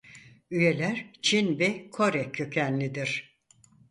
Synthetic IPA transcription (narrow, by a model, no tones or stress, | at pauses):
yje̞lʲæɾt͡ʃʰinbɛkʰo̞ɾɛkʰːø̞cʰænlʲid̪iɾ̥